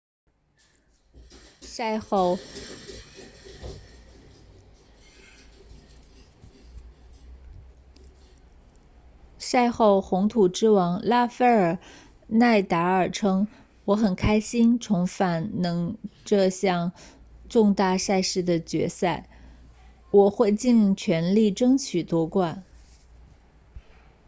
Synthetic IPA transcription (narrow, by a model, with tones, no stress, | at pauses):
sa˥˧ɪxo˥˩ʊxʊ˧˥ŋt̪ʰu˨˩ʈ͡ʂɻ̩˥wɑ˧˥ŋla˥fe˥ɪə˞˨˩ | na˥˩ɪt̪a˧˥ə˞˨˩ʈ͡ʂʰɤ˥ŋ | wɔ˧˥xə˨˩nkʰa˥ɪɕi˥nt͡sʰʊ˧˥ŋfa˨˩nnɤ˧˥ŋʈ͡ʂɤ˥˧ɕjɑ˥˧ŋ | ʈ͡ʂʊ˥˧ŋt̪a˥˧sa˥˧ɪʂɻ̩˥˩d̪ə˩t͡ɕɥɛ̰˧˥sa˥˩ɪ | wɔ˨˩xwe˥˧ɪt͡ɕi˥˩nt͡ɕʰɥɛ˧˥nli˥˩ʈ͡ʂɤ˥ŋt͡ɕʰy˨˩t̪wɔ˥kwa˥˩n